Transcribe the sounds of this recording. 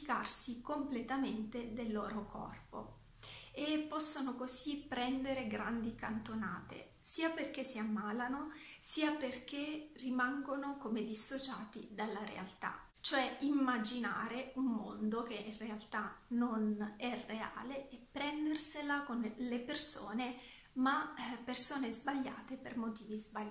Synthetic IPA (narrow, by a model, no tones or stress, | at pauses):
ka̰rsikomplet̪ament̪ed̪elːɔːɾokʰɔ̰rpo̰ | epːɔsːonokozipːɾɛnd̪eɾeɡɾand̪ikant̪onaːt̪ḛ | siːaperkesiamːaːlanosiːaperk̟erimaŋɡonokomed̪isːot͡ʃaːt̪id̪alːaɾḛa̰lt̪a̰ | t͡ʃoɛimːad͡ʒina̰ːɾeumːo̰nd̪ok̟eirealt̪anonɛrea̰ːleɛpːɾɛnd̪erselakonlepersoːne | mapːersoːnezbaʎːa̰ːt̪epermot̪iːvizba